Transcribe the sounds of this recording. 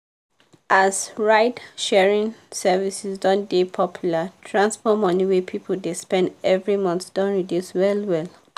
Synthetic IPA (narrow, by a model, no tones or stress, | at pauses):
ʔasɹaɪtʃɛɹĩŋsɛvisisdɔ̃ndepʰɔpʰjulatʰɹãnsfɔmɔ̃niwepʰipʰoldespɛ̃ndɛvɹimɔ̃nθd̥ɔ̃ntɹidjuswɛlwɛl